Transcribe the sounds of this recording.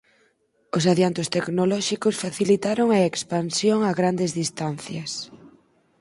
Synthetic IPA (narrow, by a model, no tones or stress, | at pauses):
ʊs̬aðjant̪ʊst̪ɛknolɔʃikʊsfaθilit̪aɾoŋɐekspansjoŋaɣɾand̪ɪzðist̪anθjɐs